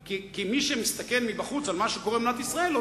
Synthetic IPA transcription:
kikimiʃemist̪ake̞lmibaχut͡salmaʃeko̞ʁebnat̪isʁae̞lo

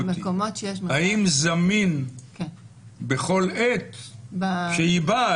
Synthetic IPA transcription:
mekomotʃejeʃhaimzaminke | beχo̞let̪bʃeiba

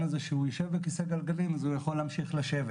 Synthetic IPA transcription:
nazeʃeujoʃevbekiseɡalɡalimazujaχo̞lːeamʃiχlaʃeve

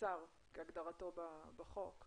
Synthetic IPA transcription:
aʁ | keaɡd̪aʁato̞babaχok

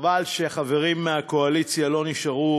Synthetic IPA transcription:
valʃeχave̞ʁimːeako̞alit͡sjalo̞niʃaʁu

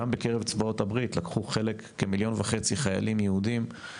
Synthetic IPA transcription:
ambekeʁevt͡svao̞thabʁitlakχuχe̞lekːemiljo̞nvaχe̞t͡siχaja̰limjehud̪im

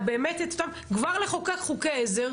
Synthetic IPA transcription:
beːmeteto̥tam | kvaʁleχokeχukeezeʁ

